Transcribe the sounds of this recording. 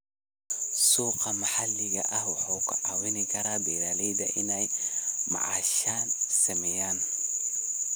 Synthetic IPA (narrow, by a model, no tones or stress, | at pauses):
suːqɑmɐħalːɪɣɐ̰ʔɐhwɑħoːkʰʊ̰ʕaːwɪnɪkʰɐɾaːbɛjlaːlɛjd̪ɐ̰ʔɪnɛjmɑ̰ʕa̰ːʃaːnsɐmɛjaːn